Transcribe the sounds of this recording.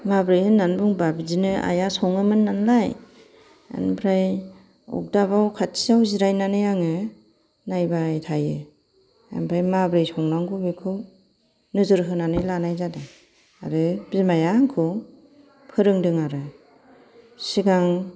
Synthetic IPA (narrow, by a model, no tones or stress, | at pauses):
mabɾɯjhɯnːanbɯŋbabizinɯa̰jasɔŋɯmɯnːanlaj | a̰npʰɾaj | ɔ̰k̚dabawkʰatʰiawziɾajnanɯjaŋɯ | najbajtʰajɯ | a̰npʰɾajmabɾɯjsɔŋnaŋkʰubikʰɯw | nɯzɯɾɦɯnanɯjlanajzada | aɾɯbimajaŋkʰɯ | pʰɯɾɯŋdɯŋaɾɯ | siɡaŋ